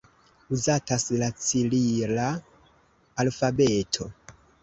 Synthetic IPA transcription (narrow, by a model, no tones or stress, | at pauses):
uzataslat͡sililaː | lfabetʰo̞